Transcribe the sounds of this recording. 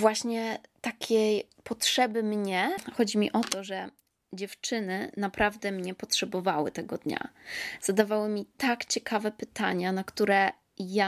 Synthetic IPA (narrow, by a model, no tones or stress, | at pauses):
vwaɕɲɛt̪akʲʰej | pɔtʂɛbɘmɲɛxɔd͡ʑimʲḭʔɔt̪ɔʐɛ | d͡ʑɛft͡ʂɘnɘnapɾavd̪ɛmɲɛpɔtʂɛbɔvawɘ̰t̪ɛɡɔd̪ɲa̰z̥ad̪avawɘmʲit̪akt͡ɕɛkʰavɛpɘt̪aɲanakt̪uɾɛ | ja